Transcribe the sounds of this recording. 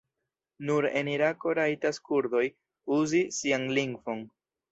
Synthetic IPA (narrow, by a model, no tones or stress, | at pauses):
nuɾe̞̰niɾako̞ɾaitaskuɾd̪o̞j | uzisianliŋɡvo̞n